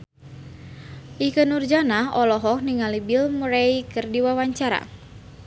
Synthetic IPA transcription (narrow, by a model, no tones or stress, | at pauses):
ʔikənurd͡ʒanaɦɔlɔɦɔk̚niŋalibilmuɾajkɨrdiwawaɲt͡ʃaɾa̰